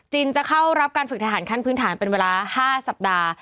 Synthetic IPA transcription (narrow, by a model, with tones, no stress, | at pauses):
t͡ɕiː˧nt͡ɕa˨˩kʰa˥˩wɾa˦˥p̚kaː˧nfɯ˨k̚t̪ʰa˧aː˩˦nkʰa˥˩npʰɯː˦˥nt̪ʰaː˩˦npe˧nweː˧laː˧haː˥˩sa˨˩p̚daː˧